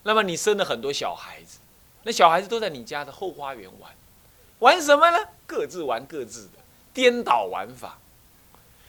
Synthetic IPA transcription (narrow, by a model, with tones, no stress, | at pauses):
na˥˩mə˩ni˨˩ʂə˥nd̪ə˨xə˨˩nt̪̬wɔ˥ɕjɑ̰˨˩ʊxa˧˥ɪd͡zɹ̩˧ | na˥˩ɕjɑ˨˩ʊxa˧˥d͡z̩˧t̪o˥ʊt͡sa˥˩ni˨˩t͡ɕja˥d̪ə˨xo˥˩ʊxwa˥ɥɛ̰˧˥nwa̰˧˥n | wa˧˥nʂ̬ə˧˥nmə˧nə˨kɤ˥˧t͡sɹ̩˥˩wa˧˥nkɤ˥˧t͡sɹ̩˥˩d̪ə˩ | t̪jɛ˥nt̪ɑ˨˩ʊwa̰˧˥nfa̰˨˩˦